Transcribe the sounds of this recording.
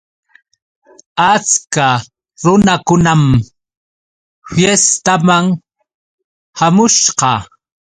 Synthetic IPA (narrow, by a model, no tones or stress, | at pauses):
at͡ska | ɾʊnakʊnam | fjest̪amaŋ | hamʊʃqɑ